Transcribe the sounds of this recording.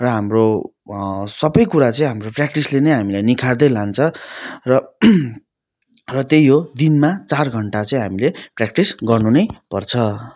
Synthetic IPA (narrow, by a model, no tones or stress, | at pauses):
rʌɦamro | sʌbʌjkuɾat͡sʌĩɦamroprak̚ʈislenʌjɦamilajnikʰard̪ʌjlant͡sʰʌrʌ | rʌt̪jejjod̪inmat͡sarɡʱʌɳʈat͡sʌĩɦamileprak̚ʈisɡʌrnunʌjpʌrt͡sʰʌ